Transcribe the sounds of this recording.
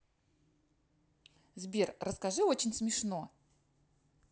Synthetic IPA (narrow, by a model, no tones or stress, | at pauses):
zbʲirrəskɐʐɨot͡ɕɪnʲsmʲɪʂno̞